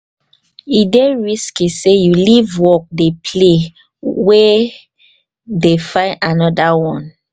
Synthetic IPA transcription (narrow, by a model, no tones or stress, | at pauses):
ideɹiskisejulivwɔk̚depʰle | we | defãɪnanɔdawɔ̃n